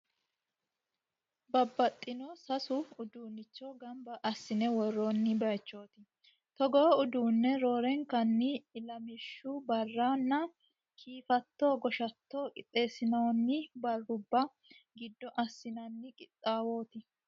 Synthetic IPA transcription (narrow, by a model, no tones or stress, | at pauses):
bɐbːɐt̪ʼːɪnoːsɐsʊʊd̪uːnːɪt͡ʃːoːɡɐmbɐʔɐsːɪnɛwɔroːnːɪbɐjt͡ʃːo̞ːt̪ɪ | t̪ɔɡɔʊd̪uːnːɛɾo̞ːɾɛŋkɐnːɪːlɐmɪʃːʊbɐrːanːɐ | kʰiːfɐt̪ːo̞ːɡɔʃɐt̪ːo̞ːkʼɪt̪ʼːe̞ːsɪnɐwnːɪbɐrːʊbːɐ | ɡɪd̪ːɔʔɐsːɪnɐnːɪkʼɪt̪ʼːaːwo̞ːt̪ɪ